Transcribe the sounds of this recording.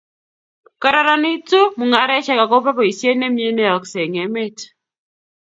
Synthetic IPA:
ka˨ɾa˦ɾa˦nɪ˦tu˦mu˨ŋa˨ɾɛ˦ʃɛ˦ka˨ko˦pa˦pɔ˨i˨sje˦ne˦mje˦nɛ˦ɔ˨kse˨ŋe˨˦me˦t

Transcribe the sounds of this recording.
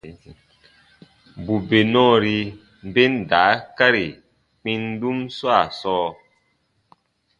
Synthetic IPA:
bu˨be˨nɔ̃˦˨ɾi˧ | m̩˦be˦nda˨˦ka˦ɾi˨ | k͡pĩ˦n˦du˦mswa˦˨sɔː˦

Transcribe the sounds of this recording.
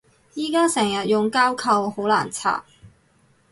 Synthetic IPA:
jiː˨˩kaː˥sɛː˨˩ŋjɐ˨t̚jʊ˨ŋkaː˥wkʰɐ˧who˨˥wla̰ː˨˩nt͡sʰa̰ː˨˩

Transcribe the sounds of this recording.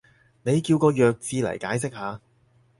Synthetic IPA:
ne˨˧jkiː˧wkɔː˧jœː˨˧k̚t͡siː˧lɐ̰˨˩jkaː˨˥jsɪ˥k̚haː˨˧

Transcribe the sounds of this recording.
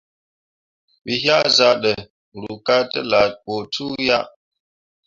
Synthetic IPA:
wi˨ɦja˦ʔza˦ɗə˨ | ɾu˨ka˦tə˦la˨k͡po˨tʰu˦ja˦ʔ

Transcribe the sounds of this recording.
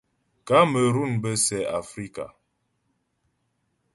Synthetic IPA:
ka˨˦mə˨ɾu˦˨nbə˦sɛ˨a˨fɾi˦ka̰˨

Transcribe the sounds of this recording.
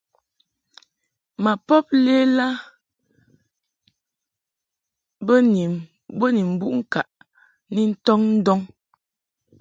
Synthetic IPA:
ma˨pɔ˦p̚le˦la˦ | bni˨m | bə˦ni˨m˨bu˦ʔŋ̩˦ka˨ʔ | ni˦n̩˦tɔ˦ŋn̩˦dɔ˦ŋ

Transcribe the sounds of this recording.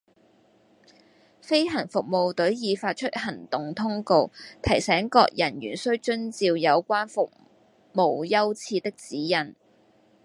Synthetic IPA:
fe˥jɦɐ˨˩nfʊ˨k̚mo˨wt̪ɵ˨˥ɥjiː˨˧faː˧t̚t͡ʃʰɵ˥t̚hɐ˨˩nt̪ʊ˨ŋt̪ʰʊ˥ŋko˧wt̪ʰɐ˨˩jsɛː˨˥ŋkɔ̰ː˧k̚jɐ˨˩nɥyː˨˩nsɵ˥ɥt͡ʃɵ˥nt͡siː˧wjɐ˨˧wkʷaː˥nfʊ˨k̚ | mo˨˧wjɐ˥wt͡sʰiː˧t̪ɪ˥k̚t͡siː˨˥jɐ˨˩n

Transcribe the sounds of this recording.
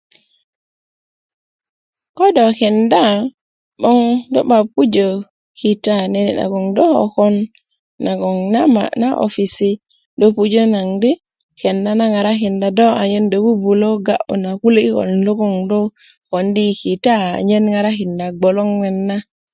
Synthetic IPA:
kɔ˦dɔkɛ˨nda˦ | ɓɔ˦ŋdɔ˦ɓa˨pu˦d͡ʒo˨ | kita˦nɛna̰˨ɡɔ˨ŋdɔ˦hɔ̰kɔ˦nː | a˨ɡɔ˨ŋnama̰naʔo̰fisi˦ | dopud͡ʒo˦na˨ŋdi˦ | kɛ˨nda˦na˦ŋa˨ɾa˦ɦi˨nda˨dɔ˦a˨ɲe˦ndo˨bu˦bu˨lo˦ɡa̰ʔṵ˨na˨ku˦li˦ɡɔ̰˨lndo˦ɡɔ˦ŋdɔ˦ | ho˨ndiki˨ta̰˦ɲe˦nŋa˨ɾa˦ɦi˨nda˨ɡ͡bɔ˨lɔ˦ŋwɛ˨nːa˦

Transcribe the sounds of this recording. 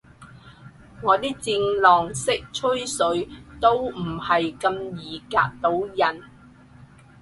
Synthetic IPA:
ŋɔː˨˧t̪iː˥k̚t͡si˧ŋlɔː˨˩ŋsɪ˥k̚t͡ʃʰɵ˥jsɵ˨˧˥ɥt̪o˥wm̩˨˩hɐ˨jkɐ˧mjiː˨ka̰ː˧k̚t̪o˨˥wjɐ˨˩n

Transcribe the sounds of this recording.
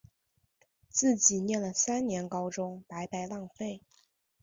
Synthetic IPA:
t͡sɹ̩˥˩t͡ɕi˨˩njɛ˥˩nlə˩sa˥nnjɛ˧˥nkɑ˥ʊʈ͡ʂʊ˥ŋpa˧˥ɪpa˧˥ɪlɑ˥˧ŋfe˥˩ɪ

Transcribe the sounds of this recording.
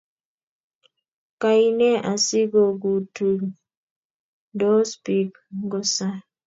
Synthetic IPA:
ka˨i˦nɛ˦ʔa˨si˦ɡo˨ɡu˨tu˨ | do˦spi˦k | ɡɔ˦sa˦

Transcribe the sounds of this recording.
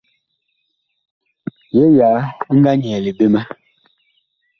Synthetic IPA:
je˦jaː˨˦ŋ̩˦ɡa˦ɲ˨ɛ˨le˨be˦mɛ˦

